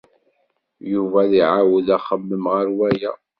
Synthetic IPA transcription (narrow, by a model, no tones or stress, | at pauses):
juvæðiʕawəðæχəmːəmʁəɾwæjæ